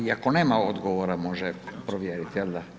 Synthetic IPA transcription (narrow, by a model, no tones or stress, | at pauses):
iakoneːmaod̪ɡoʋoɾamoʒɛpɾoʋjeːɾit̪jeld̪a